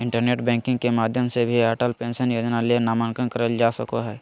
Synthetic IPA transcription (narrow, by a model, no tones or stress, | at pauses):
ɪ̃ɳʈəɾneːʈbɛ̃ːŋkɪ̃ŋɡkemaːd̪ʱjəmsebʱiaːʈəlpẽːnsənjoːd͡ʒnalienaːmənkənkəɾəld͡ʒaːsəkoɦɛː